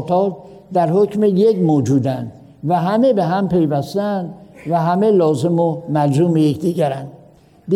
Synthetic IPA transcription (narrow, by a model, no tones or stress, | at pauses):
t̪ʰɒːt̪̚ | d̪æɾhocʰmejekmoːd͡ʒuːd̪ænd̪ | væɦæmebeɦæmpʰe̞jvæst̪æænd̪væɦæme̞lɒːzemomæɾzuːmejecd̪iːɡæɾænd̪ | d̪